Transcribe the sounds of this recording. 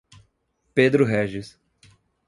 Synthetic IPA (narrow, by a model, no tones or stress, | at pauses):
ped̪ɾʊɦɛʒɪs